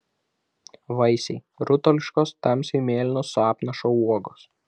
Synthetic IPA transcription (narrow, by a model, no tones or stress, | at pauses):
ʋɐɪsʲɛɪ | ɾʊt̪ɔlʲɪʃkoːst̪ɐmʲsʲimʲeːlʲɪnʲosʊɑːpnɐʃoːuɔɡoːs